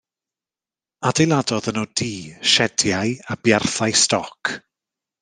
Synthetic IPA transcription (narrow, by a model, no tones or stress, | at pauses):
adejlˠadɔðənɔdiːʃɛdjajabjarθajstɔkʰ